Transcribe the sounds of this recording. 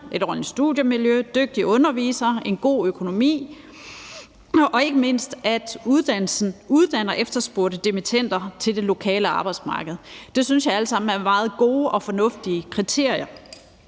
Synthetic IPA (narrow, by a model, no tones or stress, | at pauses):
ʔe̝ɾ̥ɒnisd̥ṵðˠjəmiljød̥øɡ̥̚d̥iɔ̽nɐʋḭːsɐe̝nɡ̥o̝̰ːøkʰo̝no̝mḭː | ʔɒ̽e̝ɡ̥əme̝n̰sd̥æd̥uð̞ˠd̥æn̰l̩sn̩uð̞ˠd̥æn̰ɐʔefd̥ɐsb̥oɐ̰ɾ̥əd̥emit͡sʰen̰d̥ɐt͡sʰe̝ld̥e̝lo̝kʰɛ̰ːləɑ̈ːb̥ɑ̈ɪd̥smɑ̈ːɡ̥əð̩ˠd̥e̝synsjɑ̈ɪæləsɑ̈m̰n̩æɐmɑ̈ːð̞̩ˠɡ̥o̝ːʔɒ̽fɒ̽nɔ̽fd̥iəkʰʁit͡sʰe̝ɐ̰ijɐ